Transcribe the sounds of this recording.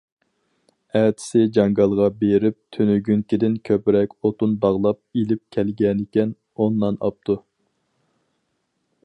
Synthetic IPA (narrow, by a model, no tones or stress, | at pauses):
æːt̪ʰɪ̥sɪd͡ʒɑŋɡɑlˠʁɑbeɾɪp̚t̪ʰynyɡʲyŋkʲid̪ɪnkʲʰøpɾɛkʲot̪unbɑʁlˠɑp̚ilɪp̚kʲʰɛlɡʲɛnɪkʲɛn | onːɑnɑ̰p̚t̪ʰu